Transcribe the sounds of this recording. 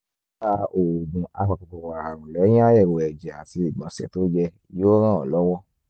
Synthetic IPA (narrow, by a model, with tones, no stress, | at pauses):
a˧o˨ɡ͡bũ˨ʔa˧k͡pa˧kɔ˨kɔ˨wa˨ɾa˨ɾ̃ũ˨lɛ˨˦j̃ĩ˦a˦jɛ˦˨wo˧ɛ˨d͡ʒɛ˨a˨ti˧i˨ɡ͡bã˨˦sɛ̰˨to˦d͡ʒɛ˧˦jo˦ɾ̃ã˦˨ɔ˨lɔ˦wɔ˦